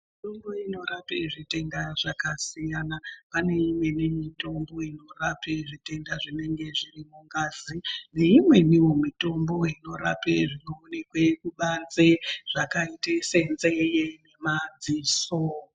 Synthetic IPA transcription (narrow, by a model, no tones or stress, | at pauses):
miito̞mbo̞ino̞ɾapeʐite̞ŋdaʐakasijanapane̞imwe̞nemito̞mbo̞ino̞rapeʐite̞ndaʐine̞ŋɡe̞ʐirimuŋɡazine̞imwe̞niwo̞mito̞mbo̞ino̞ɾa̰peʐino̞ːnekwe̞kuɓand͡zeʐ̥akaitesenzejene̞mad͡ziːso